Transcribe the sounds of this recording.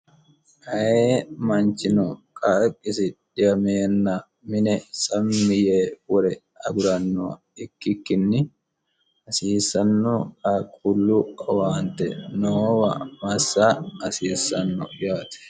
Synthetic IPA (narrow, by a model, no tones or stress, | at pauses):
hɐjeːmɐnt͡ʃːɪnɔkʼɐkʼːɪsɪᶑɪjɐmɛnːɐ | mɪnɛsʼɐmːɪjeːwɔɾɛ | ɐ̰ɡʊɾɐnːɔɐ̰ | ɪkːɪkːɪnːɪ | ɐsiːsːɐnːɔkɐkʼulːʊɐwaːnt̪ɛ̰noːwɐ̰mɐsːaɐsiːsɐnːɔ̰jaːt̪ɛ̥